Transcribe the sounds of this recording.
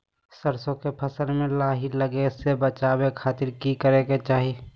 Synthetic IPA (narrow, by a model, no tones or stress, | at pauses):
səɾsõkepʰəsəlmẽlaːɦiləɡesebət͡ʃaːwekʰaːt̪ɪɾkikəɾeket͡ʃaːɦi